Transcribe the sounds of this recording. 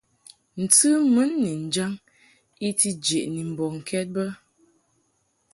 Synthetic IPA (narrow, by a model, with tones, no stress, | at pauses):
n̩˨tɨ˦mə˨˦nːɛ˨n̩˨d͡ʒa˦ŋ | i˦ti˦d͡ʒe˨ʔni˨m̩˨bɔ˨ŋ̩˨kʰɛ˦t̚bə˦